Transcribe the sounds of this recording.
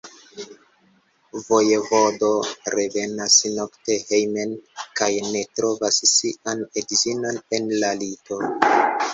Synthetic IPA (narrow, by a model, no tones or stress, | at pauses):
vo̞jevodo̞ɾeve̞nasnokte̞hejme̞nkajne̞tɾo̞vassianedzino̞ne̞nlalito̞